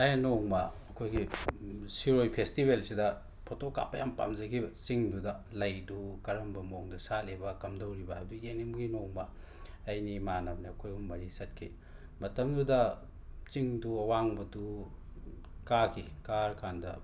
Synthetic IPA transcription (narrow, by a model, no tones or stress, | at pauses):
ɐjnoŋmɐɐkʰojɡisiɾojpʰestibelsidɐ | pʰotoka̰pːɐjampa̰mzɐɡibt͡ʃiŋdudɐlɐjdukɐɾɐmbɐmoŋdusalebɐkɐmdɐwɾibɐbduenimɡinoŋmɐ | ɐjnimanɐm̚niɐkʰojumːɐɾisɐt̚kʰḭ | mɐtɐmdudɐ | t͡ʃiŋduɐwaŋbɐdu | kakʰikaɾkʰandɐ̰